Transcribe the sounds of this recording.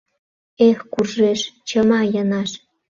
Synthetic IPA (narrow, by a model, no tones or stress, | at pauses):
exkurʒeʃt͡ɕəmɑjənɑʃ